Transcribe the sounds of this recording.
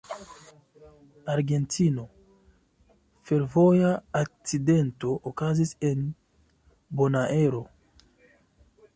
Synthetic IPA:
aɾɡe̞ntʰino̞ | fe̞ɾvo̞jaːk̚t͡side̞nto̞ʔːkazise̞n | bo̞naʔe̞ɾo̞

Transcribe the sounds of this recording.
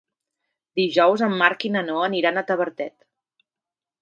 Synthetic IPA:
d̪iʒɔwzəmːaɾkinənoəniɾanət̪əβəɾt̪ɛt̪

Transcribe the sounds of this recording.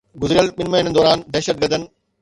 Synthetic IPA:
ɡʊzɾijəlɓɪnmɐɦɪ̃nəd̪ɔːɾaːnd̪ɛːʃət̪̚ɡəɾd̪ənɪ̆

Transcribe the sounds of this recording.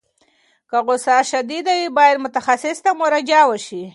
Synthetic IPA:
kaɣʊsɑʃad̪id̪awibɑjad̪mʊt̪axasɪst̪amʊɾad͡ʒɑwəʃi

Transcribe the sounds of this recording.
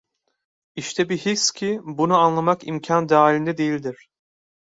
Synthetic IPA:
iʃt̪ʰɛbiɦikscʲʰibunuanlˠamakimcʰand̪aːlʲind̪ɛd̪ejilʲd̪iɾ̥

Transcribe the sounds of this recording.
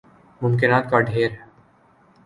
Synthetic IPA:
mʊmkɪnaːt̪̚kaɖʱeːɾɦɛ

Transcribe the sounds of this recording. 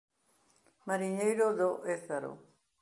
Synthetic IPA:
maɾiɲejɾoðoʔeθaɾo̰

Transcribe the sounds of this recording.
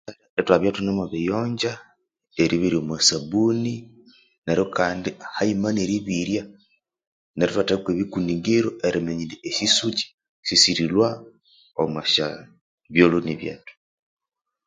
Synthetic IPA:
aaetwaβjatunamaβijoːɲɟa | eɾiβiɾiomwasabuni | neɾjokaːndihaimaneɾiβiɾja | neɾitwatakweβikuniːŋɡeɾoʔeɾimeɲileesisuci̥ | sisiɾilwa | omwaʃa | βjoloniβja̰ːto̥

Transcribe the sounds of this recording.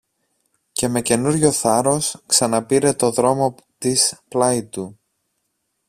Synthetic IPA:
ce̞me̞ce̞nuɾʝo̞θɐɾo̞sksɐnɐpiɾe̞t̪o̞ðɾo̞mo̞ | t̪isplɐit̪u

